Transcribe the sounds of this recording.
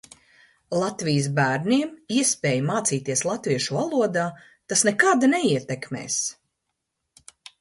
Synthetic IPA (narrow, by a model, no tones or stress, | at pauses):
lˠat̪vijəs̬bæːɾniɛmiɛspeːjmaːt̪siːt̪iɛslˠat̪viɛʃuvalˠuɔd̪aː | t̪asnɛkad̪anɛiɛt̪ɛkmɛ̰ːs